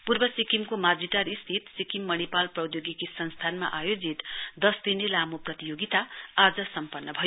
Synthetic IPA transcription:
purbʌsikimkomad͡ziʈaɾist̪ʰit̪sikimːʌnipalprʌwd̪joɡikisʌnst̪ʰanma̰ʔajod͡zit̪d̪ʌsd̪inelamoprʌt̪ijoɡit̪aad͡zʌsʌmpʌnːʌbʱʌjo

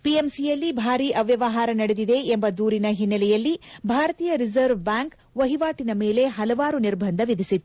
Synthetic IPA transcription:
piemsijɐlːibʱaːɾiʔɐʋjɐʋɐɦaːɾɐnɐɽed̪id̪e̞ːmbɐd̪uːɾinɐɦinːɐlɛjɐlːibʱaːɾɐt̪iːjɐɾizɐɾʋbaːŋk | ʋɐɦiʋaːʈinɐmeːle̞ɦɐlɐʋaːɾuniɾbʱɐnd̪ʱɐʋid̪ʱisit̪ːu

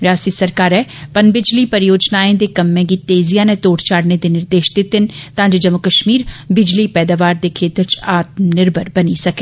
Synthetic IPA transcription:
ɾaːsiːsəɾkaːɾɛːpənbɪd͡ʒliːpəɾjoːd͡ʒnaːẽːd̪eːkəmːɛ̃ːɡiːt̪eːzijãːnet̪oːʈt͡ʃʰaːɽned̪eːnɪɾd̪eːʃd̪ed̪ɪnt̪ãːɲd͡ʒd͡ʒəmːʊkəʃmiːɾbɪd͡ʒliːpɛːd̪aːʋaːɾd̪eːkʰeːt̪əɾt͡ʃaːt̪̚nɪɾbəɾbəniːsəkeː

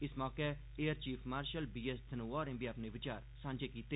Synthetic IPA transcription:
ɪsmɔːke | eːəɾt͡ʃiːfʰmaːɾʃəlbiːest̪ʰənuɔːɾẽmbijaːpneʋɪt͡ʃaːɾsãːɲd͡ʒekiːt̪eː

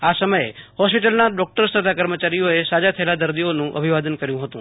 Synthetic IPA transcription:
asəməehɔspiʈəlnaɖɔk̚ʈəɾst̪ʰət̪ʰakəɾmət͡ʃaɾijoesad͡ʒat̪ʰəelad̪əɾd̪ionũʔə̰bʱiʋad̪ənkəɾjũɦət̪ũ

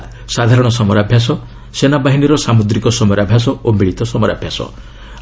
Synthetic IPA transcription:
sad̪ʱaɾɔɽ̃ɔsɔmɔɾabʱjas̬ɔ | senabaɦiniɾɔsamud̪ɾikɔsɔmɔɾabʱjas̬ɔomiɭit̪ɔsɔmɔɾa̰bʱjasɔ̰

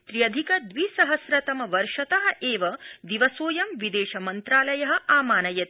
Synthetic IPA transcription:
t̪ɾijɐd̪ʱikɐd̪ʋisɐɦɐsɾɐt̪ɐmɐʋɐɾʃɐt̪ɐɦɐ̆ʔeːʋɐd̪iʋɐsoːjɐmʋid̪eːʃɐmɐnt̪ɾaːlɐjɐɦɐ̆ʔaːmaːnɐjɐt̪

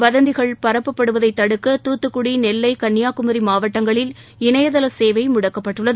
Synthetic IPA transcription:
ʋɐðɐnd̪ɪɣɐɭpɐɾɐpːɐpːɐɽɯʋɐðɐɪt̪ːɐɽɯkːɐt̪uːt̪ːɯkːʊɽinɛlːɐɪkɐnːɪjaːkɯmɐɾimaːʋɐʈːɐŋɡɐɭɪl | ɪɳɐjɐðɐlɐseːʋɐɪmʊɽɐkːɐpːɐʈːɯɭːɐðɯ

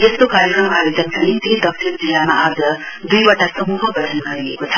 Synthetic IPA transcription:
est̪okaɾekrʌmaɾed͡zʌksanit̪id̪ʌk̚sʰiɾd͡zilːamaʔad͡zʌ | d̪ujbʌʈasʌmuɦʌɡʌɽʱʌnɡʌɾiekot͡sʰʌ̥

